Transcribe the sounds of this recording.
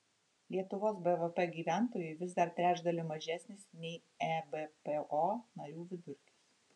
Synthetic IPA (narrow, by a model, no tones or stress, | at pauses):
lʲiɛt̪ʊʋoːsbɛʋɛpɛɡʲiːʋʲæˑnt̪oːjɛɪʋʲɪzd̪ɐɾt̪ʲɾʲæːd͡ʒd̪ɐlʲɪmɐʒʲæsʲnʲɪsnʲɛɪ | ɛbɛpeʔoːnɐɾʲuːʋʲɪd̪ʊɾʲkʲis